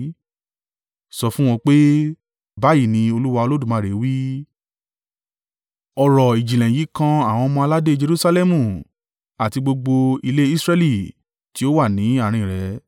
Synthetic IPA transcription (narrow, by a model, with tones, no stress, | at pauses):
sɔ˧fũ˦w̃ɔ̃˧k͡pe˦ | ba˦ji˦˨nĩ˧o˧lu˦wa˧o˧lo˦du˦˨mã˨˧˨ɾe˨˦wi˦ | ɔ˧ɾɔ˨i˨d͡ʒi˨lɛ̃˨ji˨˦kã˧a˦˨w̃ɔ̃˧mɔ̃˧la˦de˦d͡ʒe˧ɾu˦sa˧lɛ˦mũ˨ | a˨ti˧ɡ͡bo˧ɡ͡bo˧i˧le˦i˦sɾɛ˦li˨ | ti˨˦o˦wa˦˨nĩ˨˦a˦˨ɾ̃ĩ˧˨ɾɛ˨˦